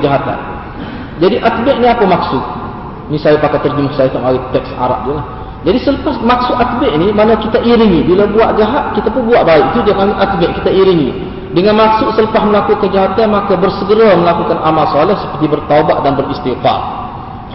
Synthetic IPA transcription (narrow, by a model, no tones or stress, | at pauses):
əd͡ʒaɦat̪a̰n | d͡ʒadiʔat̪̚bɛʔniapəmaksʊt̪̚ | nisajapakat̪ːərd͡ʒəmʊhsajat̪amawit̪ɛksa̰ɾa̰ʔ̚diulah | d͡ʒadisələpasmak̚sʊʔ̪at̪̚bɛʔnimanakit̪aʔiɾinibilabuaʔd͡ʒaɦat̪̚kit̪apʊnbuaʔbaɪʔ̚t̪udiamaŋəʔət̪̚bɛʔkit̪aiɾini | dəŋanmaksʊʔsələpasməlakukəd͡ʒaɦat̪anmakabərsəɡəɾaməlakukanʔamalsɔlɛhsə̥pərt̪ibərt̪aubaʔ̚danbərist̪iqa̰r